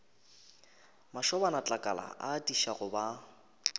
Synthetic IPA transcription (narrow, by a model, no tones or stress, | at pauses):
maʃɔbanat͡ɬʼakʼa̰la̰ʔadiʃaɣʊba